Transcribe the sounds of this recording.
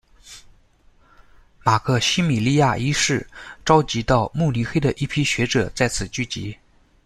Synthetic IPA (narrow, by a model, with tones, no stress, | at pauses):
ma˨˩kʰɤ˥˩ɕi˥mi˨˩li˥˧ja˥˧i˥ʂɻ̩˥˩ʈ͡ʂɑ˥ʊt͡ɕi˧˥t̪ɑ˥˧ʊmu˥˩li˧˥xe˥ɪd̪ə˨ʔi˥˩pʰi˥ɕɥɛ˧˥ʈ͡ʂɤ˨˩˦t͡sa˥˩ɪt͡sʰɹ̩˨˩t͡ɕy˥˩t͡ɕḭ˧˥